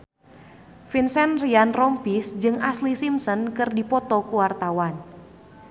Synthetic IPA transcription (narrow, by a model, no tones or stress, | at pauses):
finsɛnrianrɔmpisd͡ʒɨŋaslisimsɔnkɨrdipɔt̪ɔkuwart̪awan